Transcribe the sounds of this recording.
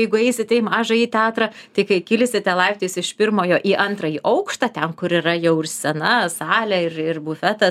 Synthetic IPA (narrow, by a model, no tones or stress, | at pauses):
jɛɪɡʊɛɪsʲɪt̪ʲɛɪmɑːʒɐiːt̪ʲæːt̪ɾɐt̪ɐɪkɐɪkʲɪlʲɪsʲɪt̪ʲɛlˠɐɪpʲt̪ʲeːsʲɪʃpʲɪrmoːjoːʔiːʔɐnt̪ɾɐiːʔɐʊkʃt̪ɐt̪ʲɛnkʊɾiːrɐjɛʊɪrsʲɛnɐsɑːlʲɛɪrɪrbʊfʲæt̪ɐs